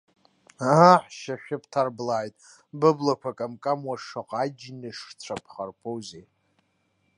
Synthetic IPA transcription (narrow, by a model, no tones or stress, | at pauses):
aaħʃaʃʲᶣɪpʰtʰarblaːjtʼ | bɨblakʷʰakʼamkʼamwaʂaqʼad͡ʒnɨʂt͡ɕʷʰapʰχarpʰowzej